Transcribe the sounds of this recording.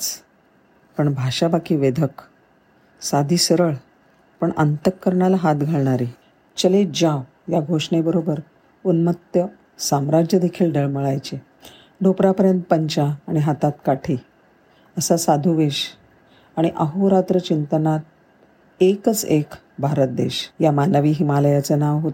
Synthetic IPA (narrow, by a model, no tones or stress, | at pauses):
t͡s | pəɳbʱaʂabakiːʋed̪ʱək | sad̪ʱiːsəɾəɭ | pəɳənt̪əkːəɾɳjalaɦat̪ɡʱaɭɳaɾi | t͡ɕəled͡ʑaw | jaɡʱoʂɳebəɾobəɾ | unmət̪jə | samɾad͡ʑjəd̪ekʰiːlɖəɭməɭajt͡ɕe | ɖʱopɾapəɾjənt̪̚pəɲt͡ɕaːɽ̃iɦat̪at̪kaʈʰi | əsasad̪ʱuʋeɕ | aɽ̃iʔaɦuɾat̪ɾət͡ɕint̪ənaɾ | ekət͡sek | bʱaɾət̪̚d̪ḛɕjamanəʋiːɦimaləjat͡sənaʋɦot̪